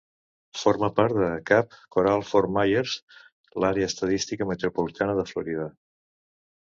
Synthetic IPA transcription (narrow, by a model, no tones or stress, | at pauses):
foɾməpaɾt̪d̪əkap̚koɾalˠfoɾmajəɾz | laɾeəːst̪əðist̪ikəmət̪ɾupulit̪anəðəfluɾiðə